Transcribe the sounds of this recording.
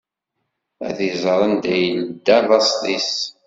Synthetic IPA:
æ̰ðizˤəɾˤənd̪æjəld̪ːæðɑst̪ˤis

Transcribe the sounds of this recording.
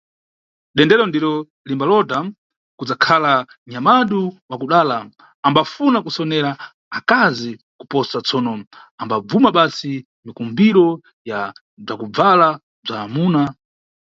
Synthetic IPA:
ɗɛndɛɾɔndiɾɔ | limbalɔda | kud͡zakʰala | ɲamaɗuwakuɗaːla | ambafunakusɔnɛɾaː | kazi | kupɔsat͡sɔnɔ | ambab͡vumaɓasi | mikumbiɾɔ | ja | b͡ʐakub͡vala | b͡ʐaːmuːna

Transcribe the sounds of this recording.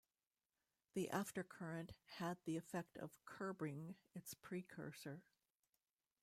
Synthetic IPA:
ðiʔæftə˞kʰɜ˞ɨ̃nʔhɨd̪̚ðiɨfɛk̚tʰʌ̰v̥kʰɜ˞bɪ̃ŋɨtspʰɹ̥ikʰɜ̰˞sə˞

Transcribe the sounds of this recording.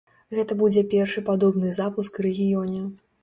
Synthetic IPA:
ɣɛt̪ɐbud͡zʲɛpʲɛrʂɨpad̪ɔbnɨzapuskɾɛɣʲijɔnʲɛ

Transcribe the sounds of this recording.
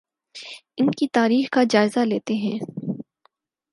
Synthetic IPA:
ɪnkit̪aːɾiːxkad͡ʒaːɪzaleːt̪eɦɛ̃ː

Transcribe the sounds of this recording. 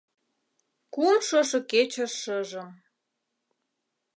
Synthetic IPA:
kumʃoʃŏket͡ɕəʃəʒə̆m

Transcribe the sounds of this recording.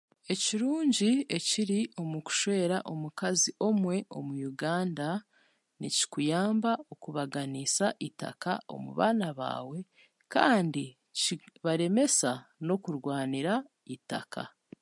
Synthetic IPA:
e̞ciɾuːɲɟie̞ciɾio̞muku̥ʃwe̞ːɾaʔo̞mukaziʔo̞mwe̞ʔo̞̰mujuɡaːnda | nḭci̥kujaːmbao̞kuβaɡanisaʔita̰kao̞̰mṵβa̰ːnaβa̰ːwe̞ | kaːndi | ciβaɾe̞me̞sano̞kuɾɡwaːniɾa | ita̰kʰa̰

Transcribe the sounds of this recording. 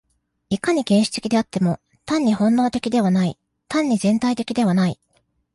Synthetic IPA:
ikaɲ̟iɡẽ̞ɰ̃ɕi̥t̪e̞kʲid̪e̞at̪ːe̞mo̞ | t̪ãɲ̟ːihõ̞nːo̞ːt̪e̞kʲid̪e̞β̞anai | t̪ãɲ̟ːizẽ̞nt̪ait̪e̞̥kʲid̪e̞β̞anai

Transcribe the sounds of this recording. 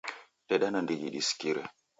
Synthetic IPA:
ɗeɗanandiɡḭɗiskiɾḛ

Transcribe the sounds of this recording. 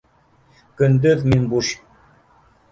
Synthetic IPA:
kɵ̆nd̪ɘðminbuɕ

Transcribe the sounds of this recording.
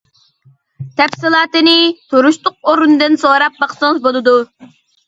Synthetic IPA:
t̪ʰɛpsɨlˠɑːt̪ɨnɪt̪ʰoɾuʃt̪ʊq̚oɾund̪ɨnsoɾɑp̚bɑχsɨŋzbolˠɨd̪u

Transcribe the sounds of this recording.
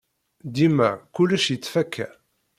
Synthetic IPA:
d̪imækulːæʃjət͡sːfækʰːæ

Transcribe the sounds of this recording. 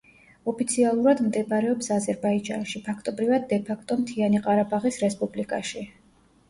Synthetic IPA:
ɔpʰit̪sʰialˠuɾad̪md̪ɛbɾɛɔpsazɛɾbaid͡ʒa̰nʃipʰakʰt̪ʼɔbɾivad̪ːɛpʰakʰt̪ʼɔmt̪ʰianiqʼaɾabaʁisɾɛspʼublikʼa̰ʃi

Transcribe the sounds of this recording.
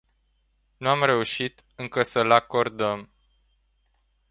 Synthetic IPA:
nuamre̞uʃit̪ | ɨŋkəsəlako̞rd̪əm

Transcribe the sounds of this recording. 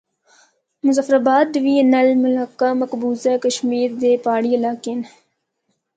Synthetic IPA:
mʊzafɾabaːd̪̚ːʋiːɐnɐlmʊlɐkːamɐkbuːzakəʃmiːɾd̪eːpaːɽiːɐlaːkeːn

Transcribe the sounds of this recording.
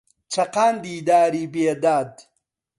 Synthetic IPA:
t͡ʃʰɐqaːnd̪iːd̪aːɾiːbeːd̪aːd̪

